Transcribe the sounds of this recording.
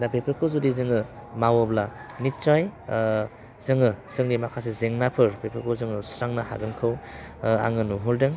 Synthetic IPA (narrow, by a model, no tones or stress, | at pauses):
dapepʰɯkʰɯwzudizɯŋɯ | mawɔblanitt͡ʃaj | z̥ɯŋɯz̥ɯŋdimakʰas̬ezeŋnapʰɯɾpepʰɯkʰɯwzɯŋɯsɾaŋnaha̰ɡɯnkʰɯwa̰ŋɯnuɦɯldɯŋ